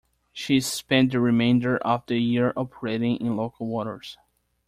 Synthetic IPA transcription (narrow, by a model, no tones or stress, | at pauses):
ʃispɛ̃nt̚d̪əɹimẽɪ̃ndə˞ʔʌvdɨjiɹɔpʰə˞eɾɪ̃ŋɪ̃nloʊkʰəl̩ˠwɔɾə̰˞s